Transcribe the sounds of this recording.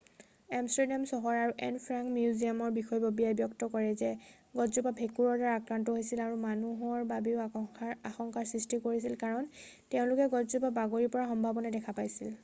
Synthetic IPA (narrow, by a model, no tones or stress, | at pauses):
ɛmstɔɹdamsɔɦɔɹaɹuʔɛnpʰɹaŋkmjuzijamɔɹbixɔjbobijajbjɔktɔkɔɹɛzɛ | ɡɔtzupabʱekuɹɔɹdaɹaakɹantɔɦojsilaɹumanuɦɔɹbabiʊaxɔŋkaɹsɹistikoɹisilkaɹɔntɛʊ̃lʊkɛɡɔtzupabaɡoɹiɹpɔɹaxɔmbʱabɔnadɛkʰapajsil